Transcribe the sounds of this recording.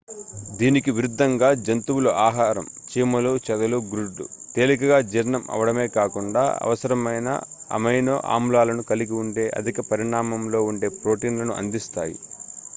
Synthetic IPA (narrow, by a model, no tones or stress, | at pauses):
d̪iːnikiʋiɾud̪ʱːɐŋɡaːd͡ʒɐnt̪uwulɐʔaːɦaːɾɐmt͡ʃiːmɐlut͡ʃɛd̪ɐluɡɾuɖṵt̪eːlikɐɡaːd͡ʒiːɾnɐmʔɐ̰ʋɐɽɐme̞ːkaːkuɳɖa̰ːɐ̰ʋɐsɐɾɐmɐjnɐ̰ɐ̰mɐjno̰ːʔa̰ːmlaːlɐnukɐliɡiuɳɖe̞ːʔɐ̰d̪ʱikɐpɐɾiɳaːmɐmlo̞ːuɳɖe̞ːpɾo̞ːʈiːnlɐnuʔɐ̰nd̪ist̪a̰ːjḭ